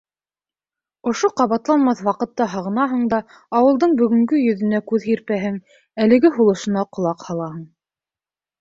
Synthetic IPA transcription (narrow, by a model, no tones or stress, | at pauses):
ŏʃoqɑβɑt̪lˠɑnmɑθwɑqɤ̆t̪ːɑɦɑʁɤ̆nɑɦɤ̆ɴd̪ɑ | ɑwɤ̆lˠd̪ɤɴbɵ̆ɡɵ̆ŋɡɵjɵ̆ðɵ̆nækʉðɦiɾpæɦɘŋ | ælɘ̆ɡɘɦulˠɤ̆ʃɤ̆nɑqŏlˠɑqhɑlˠɑɦɤɴ